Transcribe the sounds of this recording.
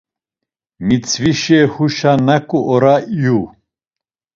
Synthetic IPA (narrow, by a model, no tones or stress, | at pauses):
mit͡sʰviʃɛhuʃanakʼuʔɔɾaiju